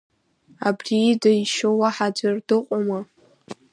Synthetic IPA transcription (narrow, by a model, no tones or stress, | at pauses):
a̰bridajʃowaħad͡ʒʷardɨqʷʼama